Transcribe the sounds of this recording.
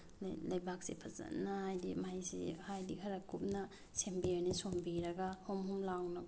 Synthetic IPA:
lɐjbak̚sipʰɐzɐ̰nːahajdḭmajsḭhajdikʰɐɾakup̚nɐ | sembiojnisombiɾɐɡahomhumlawnɐɡ

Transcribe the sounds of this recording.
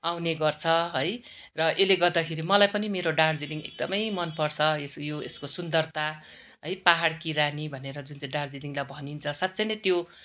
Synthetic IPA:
awneɡʌrt͡sʰʌɦʌj | rʌʔeleɡʌrd̪akʰeɾimʌlajpʌnimeɾoɖard͡ziliŋḛk̚d̪ʌmʌjmʌnpʌrt͡sʰʌesjoeskosund̪ʌrt̪a | ɦʌjpaɦaɽkiɾanibʱʌneɾʌd͡zunt͡saĩɖard͡ziliŋlajbʱʌnint͡sʰʌsat̪ːsʌjnʌt̪jo

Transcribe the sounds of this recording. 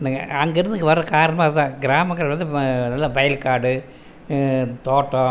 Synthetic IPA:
nɐɐŋɡɐɪɾɯnd̪ɯkːʋɐɾɐkaːɾɐnɐmaːɐðɯt̪ãːɡɪɾaːmɐŋkːɐɾɐɐnd̪ɯnɐlːɐʋɐjɐlkaːɽɯ | t̪oːʈːõ

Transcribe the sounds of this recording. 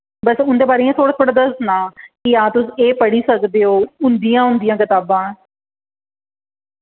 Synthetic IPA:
bəsʊnd̪eːpaːɾeãːt̪ʰoːɽaːt̪ʰoːɽaːd̪əsnãːkiãːt̪ʊsieːpəɽiːsəkd̪eːɦoːʊnd̪ijãːɦʊ̃nd̪ijãːkɪt̪aːbãː

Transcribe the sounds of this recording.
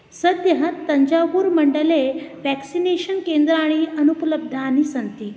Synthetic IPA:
səd̪jəɦət̪ːəɲd͡ʑaʋuːɾməɳɖəleʋæksineɕənkend̪ɾəaaɽ̃iənupləb̚d̪ʱaːnisənt̪iː

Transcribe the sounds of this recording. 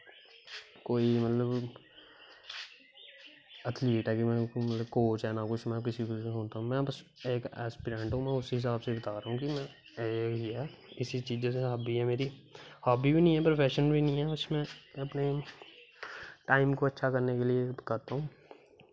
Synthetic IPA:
koːimɐt̪ləb | ɐt̪ʰliiːʈɦɛkimɛ̃mɐt̪ləbkoːt͡ʃɦanakʊt͡ʃʰmɛ̃kɪsikosʊnt̪aɦũmɛ̃bəseːkɛːspiːɾẽːɳʈɦomɛ̃ʊsɦɪs̬aːbsebɐt̪aːɾaːɦũkimɛ̃ | eːkɦiɦɛːɪsit͡ʃiːd͡ʒoseɦaːbiɦɛmeːɾihaːbibʱinɐɦĩɦɛpɾopʰɛːʃənbʱinɐɦĩɦɛbɐsmɛ̃ɐpne | ʈaːɪmkoɐtːʃʰakɐɾnekeliekɐɾt̪aɦũː

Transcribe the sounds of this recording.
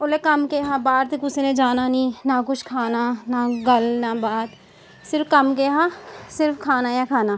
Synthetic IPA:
olekɐmkeɦãbaːɾt̪ɪkʊsenẽd͡ʒaːnanĩnak̬ʊt͡ʃʰkʰaːnanaɡəlnabaːt̪ | sɪɾfkɐmkeːɦãsɪɾfkʰaːnajakʰaːnaː

